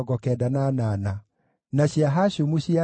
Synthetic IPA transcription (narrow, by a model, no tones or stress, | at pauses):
ɡɔkɛdananaːna | naɕiaɦaɕomuɕia